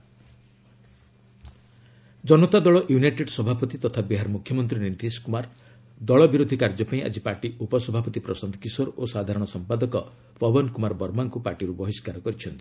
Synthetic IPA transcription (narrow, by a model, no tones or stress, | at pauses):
d͡ʒɔnɔt̪ad̪ɔɭɔʔjunajʈeɖsɔbʱapɔt̪it̪ɔt̪ʰabiɦaɾmukʰjɔmɔnt̪ɾinint̪iskumaɾ | d̪ɔɭɔbiɾod̪ʱikaɾd͡ʒɔpaĩʔa̰d͡ʒipaɾʈiupɔsɔbʱapɔt̪ipɾɔsɔnd̪ʱɔkisɔɾosad̪ʱaɾɔɽ̃ɔsɔmpad̪ɔkɔ | pɔbɔnkumaɾbɔɾmaŋkupaɾʈiɾubɔɦiskaɾɔkɔɾit͡ʃʰɔnt̪i̥